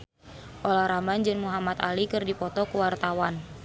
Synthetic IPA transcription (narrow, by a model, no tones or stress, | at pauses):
ʔɔlaɾamband͡ʒɨŋmuɦamat̪a̰likɨrdipɔt̪ɔkuwart̪awan